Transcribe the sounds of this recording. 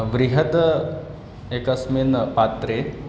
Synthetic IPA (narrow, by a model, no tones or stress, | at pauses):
ʋɾiɦət̪ | ekɐsminpat̪ɾe